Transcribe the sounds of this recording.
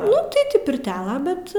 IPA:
ˈnʊ tʲɪ ˈtʲiː pʲɪrʲˈtʲæːlˠɐ bʲɛt

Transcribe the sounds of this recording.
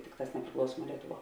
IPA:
ˈtʲɪkˌtɑːs nʲɛpʲrʲɪˈklˠɐʊsuɔmuɔ ˈlʲiɛtʊˌʋuɔ

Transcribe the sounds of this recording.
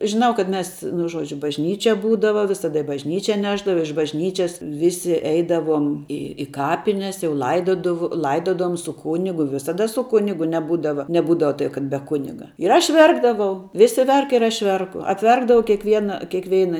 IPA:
ʒʲɪˈnɐʊ kɐt ˈmʲɛs nʊ ˈʒuɔd͡ʒʲʊ bɐʒʲˈnʲiːt͡ʃʲɛ ˈbuːdɐʋɐ ʋʲɪsɐˈdɐ ɪ bɐʒʲˈnʲiːt͡ʃʲɛ ˈnʲæːʒdɐʋɐ ɪʃ bɐʒʲˈnʲiːt͡ʃʲɛs ˈʋʲɪsʲɪ ˈɛɪdɐʋoːm ˈɪ ɪ ˈkɑːpʲɪnʲɛs jɛʊ ˈlˠɐɪdoːdɐw ˈlˠɐɪdoːdɐʋoːm sʊ ˈkuːnʲɪɡʊ ʋʲɪsɐˈdɐ sʊ ˈkʊnʲɪɡʊ nʲɛˈbuːdɐʋɐ nʲɛˈbuːdɐʋɐ tɐɪ kɐt bʲɛ ˈkʊnʲɪɡɐ ɪr ˈɐʃ ˈʋʲɛrɡdɐʋɐʊ ˈʋʲɪsʲɪ ˈʋʲɛrk ɪr ˈɐʃ ˈʋʲɛrkʊ ɐpʲˈʋʲɛrɡdɐʋɐʊ kʲiɛkˈʋʲiɛnɐ kʲeːkˈʋʲɛɪnɐ

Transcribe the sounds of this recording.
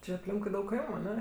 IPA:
ˈt͡ʃʲɪ ɐpʲˈlʲɪŋkʊɪ ˈdɐʊk ˈkɐɪmʊ ɐˈnʲɛ

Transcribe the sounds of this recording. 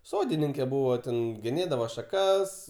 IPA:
ˈsoːdʲɪnʲɪŋʲkʲɛ ˈbuːʋoː tʲɛn ɡʲɛˈnʲeːdɐʋoː ʃɐˈkɐs

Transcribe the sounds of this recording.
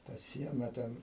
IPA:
tɐ ˈsʲiɛnɐ ˈtʲɛn

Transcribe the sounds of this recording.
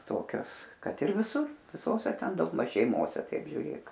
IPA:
ˈtoːkʲoːs ˈkɐt ɪr ʋʲɪˈsuː ʋʲɪˈsoːsʲɛ ˈtʲɛn dɐʊɡˈmɐʃ ʃʲɛɪˈmoːsʲɛ ˈtɐɪp ʒʲʊˈrʲeːk

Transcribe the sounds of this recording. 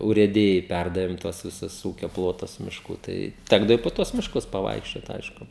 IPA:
ʊrʲeːˈdʲɪjɛɪ ˈpʲærdɐʋʲeːm ˈtuɔs ʋʲɪˈsʊs ˈuːkʲoː ˈplˠoːtʊs mʲɪʃˈkuː ˈtɐɪ ˈtʲæːɡdɐʋoː ɪ poː ˈtuɔs mʲɪʃˈkʊs pɐˈʋɐɪkʃʲt͡ʃʲoːt ˈɐɪʃkʊ

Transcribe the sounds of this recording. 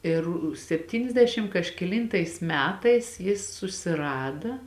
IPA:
ˈɪr sʲɛpʲˈtʲiːnʲɛzʲdʲɛʃʲɪm kɐʃʲkʲɛˈlʲiːntɐɪs ˈmʲæːtɐɪs ˈjɪs sʊsʲɪˈrɑːdɐ

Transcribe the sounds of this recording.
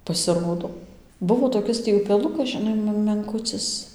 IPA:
pɐsʲɪˈroːdoː ˈbʊʋoː toːˈkʲɪs tʲiː ʊpʲɛˈlˠʊkɐs ʒʲɪˈnɐɪ m mʲɛŋˈkʊt͡sɨs

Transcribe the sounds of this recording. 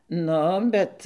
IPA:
ˈnʊ ˈbʲɛt

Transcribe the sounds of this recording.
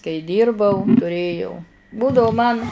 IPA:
kɐɪ ˈdʲiːrbɐʊ tʊˈrʲeːjɛʊ ˈbuːdɐʋʊ mɐn

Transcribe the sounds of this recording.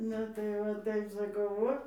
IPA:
ˈnʊ tɐɪ ʋɐ ˈtɐɪp sɐˈkɐʊ ˈʋoː

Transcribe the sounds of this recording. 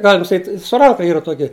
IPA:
ˈɡɑːlʲɪm sɐˈkʲiːtʲ sʊ rˈɐŋkɐ ˈiːrɐ ˈtuɔkʲɪ

